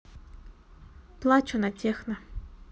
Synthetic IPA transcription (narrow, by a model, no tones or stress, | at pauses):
plˠat͡ʃʊnatʲʰexnɐ